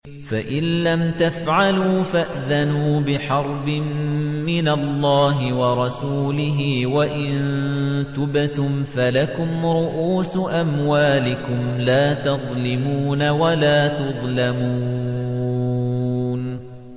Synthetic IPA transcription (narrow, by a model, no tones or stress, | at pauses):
faʔɪnːamt̪afʕaluːfaʔðanuːbɪħɑɾˤbɪmːɪnalːɑːɦɪwɑɾˤɑsuːlɪɦɪːwaʔɪnnt̪ʊbt̪ʊmfalakʊmɾʊʔuːsʔamwaːlɪkʊmlaːt̪ɑðˤlɪmuːnawalaːt̪ʊðˤlamuː | n